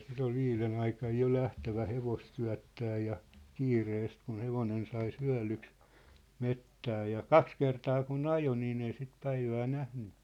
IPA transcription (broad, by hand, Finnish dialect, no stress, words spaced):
sit ol ʋiːlen ɑikɑj jo læhtæʋæ heʋost syæ̝tːæː jɑ kiːreːst kun̞ heʋonen sɑi syæ̝lyks metːæː jɑ kɑks kertɑː kun ɑjo niːn ei sit pæiʋæː næhny